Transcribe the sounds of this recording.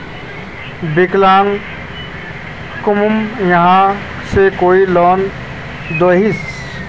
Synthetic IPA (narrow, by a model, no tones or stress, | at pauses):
bɪklaːn | kʊmʊmjɐɦã | sekoːilɔːn | d̪oːɦis